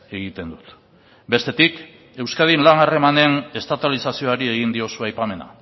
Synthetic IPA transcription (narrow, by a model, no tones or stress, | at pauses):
e̞ɣit̪e̞nd̪ut̪ | be̞st̪e̞t̪ik | e̞wskaðinlanare̞mane̞ne̞st̪at̪alisasio̞aɾie̞ɣind̪io̞suajpame̞na̰